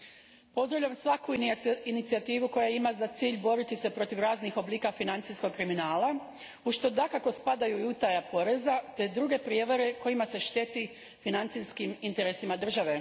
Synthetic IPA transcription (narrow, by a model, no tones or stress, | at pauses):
po̞zd̪ɾoʋʎamsʋakuinit̪siat̪iːʋuko̞jaimazat̪siːʎbo̞ɾit̪ise̞pɾo̞t̪iʋɾaːznixo̞bliːkafinant̪sisko̞ɡkɾiminaːla | uʃt̪o̞d̪akako̞spad̪ajuiut̪ajapo̞ɾe̞zat̪e̞d̪ɾuɡe̞pɾje̞ʋaɾe̞ko̞jimase̞ʃt̪e̞t̪i | finant̪siskimint̪e̞ɾesimad̪r̩ʒaʋe̞